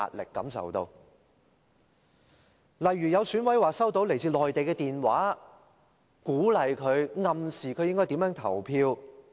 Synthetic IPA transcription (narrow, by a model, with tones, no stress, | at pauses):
a̰ː˨t̚lɪ̰˨kːɐ˨˧˥msɐ̰˨wt̪o˧w | lɐ˨jɥyː˨˩jɐ˨˧wsyː˨˥nwɐ˨˥jwaː˨˩sɐ˥wt̪o˨˧˥wle˨˩jt͡siː˧lɔː˨jt̪e˨jkɛː˧t̪iː˨nwaː˨˥ | kuː˨˥lɐ˨jkʰɵ˨˧ɥŋɐ˨msiː˨˩kʰɵ˨˧ɥjɪ˥ŋkɔː˥t̪i˨˥jœː˨˥ŋt̪ʰɐ˨˩wpʰiː˧w